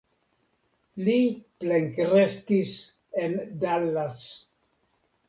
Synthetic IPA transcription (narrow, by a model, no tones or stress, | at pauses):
lipleŋkɾeskis | end̪alːas